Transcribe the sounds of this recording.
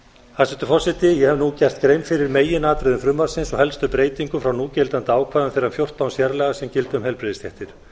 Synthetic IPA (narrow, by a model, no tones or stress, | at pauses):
hasɛnt̪ʏfɔsɪt̪ɪjɛhɛvnucɛr̥t̪kɾejnfɪɾɪɾmeːjɪnaːt̪ɾɪðʏmfɾʏmːaɾsɪnsɔhɛlst̪ʏpɾeːjt̪iŋkʏmfɾawnuːcɛlt̪ant̪ɪaːwkʰvaːðʏmθejɾrːamfjowr̥t̪awnsjɛɾlɛɣasɛmcɪlt̪ʏmhɛlpɾeðɪst̪jɛht̪ɪɾ̥